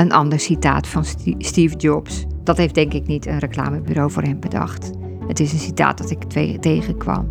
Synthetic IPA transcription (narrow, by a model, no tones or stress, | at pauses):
ənʔɑndəɹsita̰ːtfɑnstiːvdɔpsd̥ɑtɦejf̚d̥ɛŋkɪknitʰənrəkla̰ːməbyɾowvʊːrɦɛmbədɑ̰χt | ətɪsənsita̰ːt̚d̥ɑtɪktejχəkʋɑ̰m